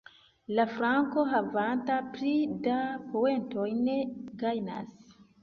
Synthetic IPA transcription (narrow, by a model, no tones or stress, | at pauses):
lafɾaŋko̞ɦavantapɾidapowe̞nto̞jne̞ɡajna̰s